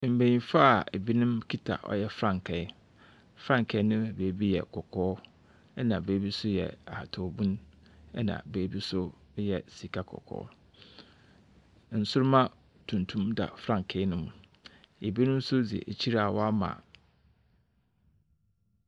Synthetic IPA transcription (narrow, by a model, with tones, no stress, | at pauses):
m̩˨bẽ˨ɲĩ˨fa˦˨e˨bi˦nʊ̃˦mkʰi˦tʰa̰˨ʔɔ̰˦jɛ˦fɾã˦˨ŋkʰɛ˨ɪ˦ | fɾã˦ŋ˨kʰɛ˨˦nʊ̃˦˨be˨˦bi˦jɛ̰˨kʰɔ˨kʰɔː˦ | ɛ˦nã˨beː˨˦bi˦sʊ˦jɛ̰˨a˨tʰɔ˨bũ˦n | ɛ˦nã̰˨beː˨˦bi˦sʊ˦ | jɛ˨si˨kʰa˦kʰɔ̰˨kʰɔ̰ː˦ | n̩˨sʊ˦ɾʊ˦mã˦ | tʰũ˨ntʰũ˦mda̰˨fɾã˦˨ŋkʰe˨˦nʊ̃˦mʊ̃˨ | e˨bi˦nʊ̃˦m˦sʊ˦di˨ḛ˨ʔe˨t͡ɕʰi˦ɾa˨wɔ˦a˦mã̰˨